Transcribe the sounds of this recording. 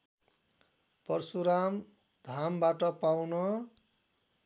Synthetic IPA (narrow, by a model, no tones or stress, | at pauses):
pʌrsuɾam | d̪ʱambaʈʌpawnʌ